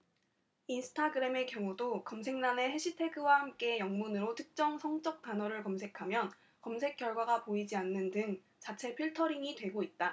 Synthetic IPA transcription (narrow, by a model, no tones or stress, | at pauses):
insʰɯ̥tʰaɡɯɾe̞me̞kjʌŋudokʌms̬ʰe̞ŋnane̞he̞ɕʰitʰe̞ɡɯwahamk͈e̞jʌŋmunɯɾotʰɯk̚t͡ɕ͈ʌŋsʰʌŋt͡ɕ͈ʌk̚t͈anʌɾɯɭkʌmsʰe̞kʰamjʌn | kʌmsʰe̞k͈jʌɭɡwaɡapoid͡ʑianːɯndɯŋ | t͡ɕat͡ɕʰe̞pʰiɭtʰʌɾiŋitwe̞ɡoit̚t͈a